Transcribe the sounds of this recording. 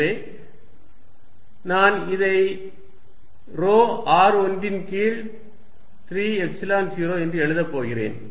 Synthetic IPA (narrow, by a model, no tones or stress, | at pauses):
eː | naːnɪðɐɪ | ɾoːaːɾɔndɪnkiːɭ | t̪ɪɾiːɛksɪlaːnsiːɾoːɛndrɯɛɻɯðɐpːoːɣɪrḛːn